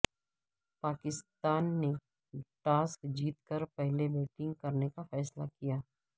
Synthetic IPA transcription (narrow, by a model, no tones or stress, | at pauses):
paːkɪst̪aːnːe | ʈaːskd͡ʒiːt̪kəɾpɛɦlebeːʈɪ̃ŋɡ̚kɐɾnekafɛːslakijaː